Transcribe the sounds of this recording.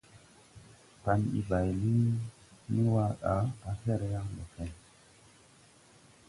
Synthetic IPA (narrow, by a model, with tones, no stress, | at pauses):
pa˨nḭ˨ba˨jli˦ | ni˦wa˦ɗa˨˦a˦fɛ˦ɾe˨ja˦ŋlo̰˨kɛ˦n